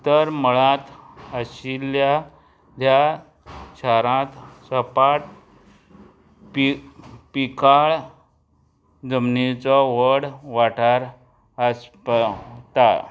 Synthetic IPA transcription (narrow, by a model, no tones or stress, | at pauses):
t̪əɾməɭãt̪əɕilja | d̪ja | ɕʰaɾãt̪səpaʈ̚ | p | pikaɭ | d͡zəmnit͡sɔʋəɽʋaʈaɾ | əspt̪a